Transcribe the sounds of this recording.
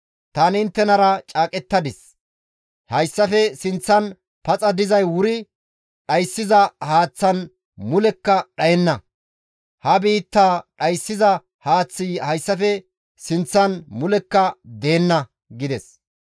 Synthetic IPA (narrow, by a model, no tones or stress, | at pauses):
t̪aːnɪɪnt̪ːɛnɐɾɐt͡ʃʼaːkʼɛt̪ːɐd̪ɪs | hɐjsːɐfɛsɪnt͡sːɐn | pɐt͡sʼɐd̪ɪzɐjwʊɾɪ | ɗɐjsːɪzɐhaːt͡sːɐn | mʊlɛkːɐɗɐjɛnːɐ | hɐbiːt̪ːaːɗɐjsːɪzɐ | haːt͡sːɪhɐjsːɐfɛ | sɪnt͡sːɐnmʊlɛkːɐd̪eːnːɐ | ɡɪd̪ɛs